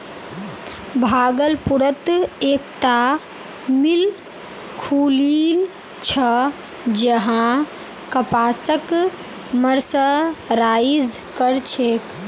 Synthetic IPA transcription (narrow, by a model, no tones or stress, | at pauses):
bʱaːɡəlpʊɾət̪eːkt̪a | mil | kʰuːliːl | t͡ʃʰə | d͡ʒəɦã | kəpaːsək | məɾsəɾaːizkəɾt͡ʃʰeːk